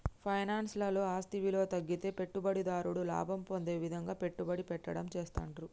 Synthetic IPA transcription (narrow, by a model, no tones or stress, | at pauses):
pʰɐjnaːnslɐlo̞ːaːst̪iʋilo̞ːt̪ɐɡːit̪e̞ːpe̞ʈːubɐɽid̪aːɾuɽula̰ːbʱɐmpond̪e̞ːʋid̪ʱɐŋɡaːpe̞ʈːubɐɽipɛʈːɐɽɐmt͡ʃeːst̪a̰ːɳʈɾu